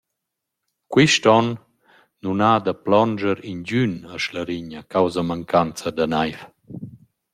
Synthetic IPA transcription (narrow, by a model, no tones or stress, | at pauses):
kwiʃtɔnː | unad̪əplɔnd͡ʒəɾinɟynəʃləɾiɲakawzamaŋkant͡sad̪anajf